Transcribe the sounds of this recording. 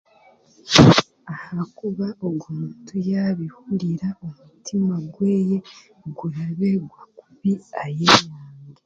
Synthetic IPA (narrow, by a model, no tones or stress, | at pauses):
ahakuβaoɡumːtʰujaβihuɾiɾaomutʰimaɡwe̞ːje̞ | ɡuɾaβe̞ɡwakuβiajeɲaːŋɡe